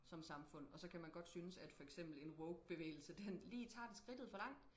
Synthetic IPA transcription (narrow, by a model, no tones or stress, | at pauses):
sɒ̽msɑ̈mfɔ̽n̰ɒ̽sɒ̽kʰæmænɡ̥ɒ̽d̥synəsæd̥fɒ̽eɡ̥sem̰b̥l̩e̝nwɔʊɡ̥̚b̥e̝ʋḛːɪl̩səd̥enliːt͡sʰɑ̰̈ːd̥e̝sɡ̥ʁid̥ð̩ˠfɒ̽lɑ̈ŋ̰d̥